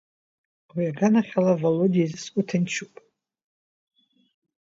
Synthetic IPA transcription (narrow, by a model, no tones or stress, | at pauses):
wiaɡanaχʲalavalodiizskʷʼutʰɨnt͡ʃʰupʼ